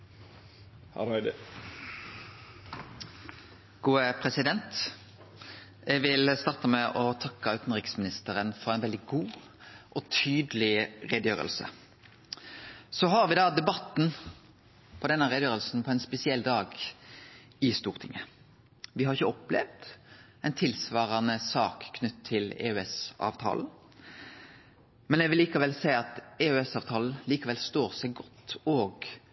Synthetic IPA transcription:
hɾd̪ | ɡ̥uːəpʰʁɛsɪd̪ɛnt̪ | ɛɡʋɪlst̪ɑːʁt̪əmɛʔɔt̪ʰɑkːəʉːt̪n̩ʁɪksmɪnɪst̪əʁənfɔʁæɛɪnɛld̪ɪɡuː | ʔɔt̪ʰyːd̪əlɪʁed̪jøːʁə̰lsə̰ | sɔɦɑʁʋɪd̪ɑːd̪ɛbɑt̪n̩ | pʰɔd̪ɛnːəʁɛd̪jøːɾəlsn̩pʰɔɛnspɛsɪɛlːd̪ɑːɡ | ɪst̪uːʁt̪ʰɪ̰ŋə | ʋɪhɑʁɪçəɔplɛ̰ʋd̪ | ɛɪnt̪ʰɪlsʋɑːʁɑnəsɑːkkʰːnʉt̪ʰːɪlɛ̰ːøɛsɑ̰ːʋt̪ʰɑ̰ːln̩ | mɛnɛʋɪlːiːkɑʋɛlsæɪɑt̪eøɛsɑːʋt̪ʰɑːln̩liːkɑʋɛlst̪oːʁsɛɪɡɔt̪ːoːɡ

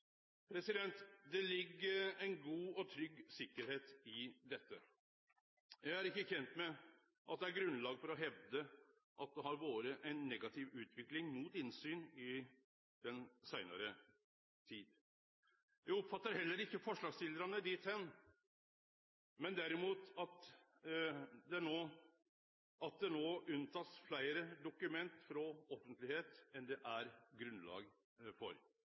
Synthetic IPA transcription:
pʰɾɛsɪd̪ɛnt̪d̪ɛlɪɡːəɾɛɪnɡuːɔt̪ʰɾʏɡːsɪkːəɾheːt̪ɪd̪ɛt̪ːə | jæɪæɾɪkːəçɛnt̪mɛ | ʔɑ̰t̪̚d̪ɛæɾɡɾʉnlɑːɡfɔɾɔɦɛʋd̪ə | ʔɑt̪̚d̪ɛɦɑɾʋoːɾəʔæɪnːɛɡɑt̪ʰɪʋʉːt̪ʰʋɪklɪŋmuːt̪ɪnsyːnɪ | d̪̥ɛnsæɪnɑ̰ɾə | t̪ʰiːd̪ | jæɔpfɑt̪ːəɾhɛlːəɾɪkːəfɔʂɭɑːɡsɪld̪əɾɑnəd̪ɪːt̪ʰɛn | mɛnd̪æɾɪmuːt̪ɑt̪ | d̪ɛæɳoː | ɑt̪̚d̪ɛnoːʉnt̪ʰɑːsflæɪəɾəd̪ʊkʉmɛnt̪fɾɔɔfənt̪lɪheːt̪ɛnd̪ɛʔæɾɡɾʉnlɑ̰ːɡ | fɔɾ

